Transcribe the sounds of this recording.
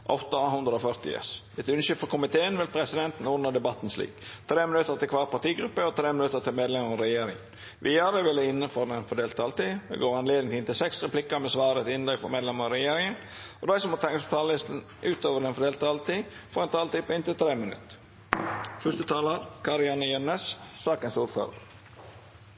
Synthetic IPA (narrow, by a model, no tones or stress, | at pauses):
ʔɔ̰t̪əhʉnd̪ɾəɔfœɾt̪ɪ̰ɛ̰s | ɛt̪ʉnʃʏlfɔɾkʰʊmɪt̪ʰeːənʋɪlpʰɾɛsɪd̪ɛnt̪n̩ʊnːəd̪ɛbɑt̪ːnslḭːkt̪ʰɾeːmɪnʉt̪ːəɾt̪ɪlkʰʋɑːɾpɑt̪iːɡɾʉpːəɔt̪ʰɾeːmɪnʉt̪ːəɾt̪ʰɪlmeːd̪lɛməɾɑɾɛjeːɾɪŋən | ʋʔɪːɑɾəʋɪlːəɪnːəfɔɾd̪ɛnfɔɖeːlt̪əɑlt̪id̪ɛ̰ɡoːɾɑnleːd̪ən̩t̪ɪnt̪ɪlsɛksʁɛplɪkːəɾmɛsʋɑːɾət̪ɪnd̪ʁʏkfɔɾmeːd̪lɛməʁɑɾɛjeːɾɪŋənɔd̪æɪsɔmɔt̪ʰɛŋːəspʰɔt̪ʰɑːləlɪst̪ən̩ | ʔʉːt̪oːʋəɖ̪ɛnfɔɖ̪eːlt̪əɑlt̪iːfɔɾɛnt̪ʰɑːlt̪ipɪnt̪ɪlt̪ʰɾeːmɪnʉ̰t̪ | fʉst̪ət̪ʰɑːləɾkʰɑɾɪɑnəjœnəssɑːkənsuːɾfø̰ːɾə̰ʁə